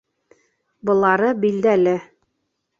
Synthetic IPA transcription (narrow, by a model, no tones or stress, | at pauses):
bɤ̆lˠɑɾɤbild̪ælɘ